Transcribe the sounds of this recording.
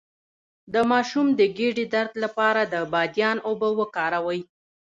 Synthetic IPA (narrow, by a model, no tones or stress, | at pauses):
d̪əmɑʃumd̪əɡeɖid̪aɾt̪lapɑɾad̪əbɑd̪jɑnobəwəkɑɾawəj